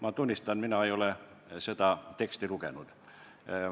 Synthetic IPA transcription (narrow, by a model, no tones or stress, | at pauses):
mɑt̪unʲːist̪ɑnminɑeijole | set̪ɑt̪e̞kst̪ilukenud̪̥